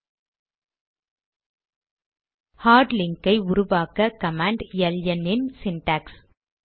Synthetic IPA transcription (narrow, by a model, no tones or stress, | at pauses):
haːɾɖlɪŋkɐɪʊɾʊʋaːkɐkɐmaːɳɖjɛljɐnːɪnsɪnʈaːks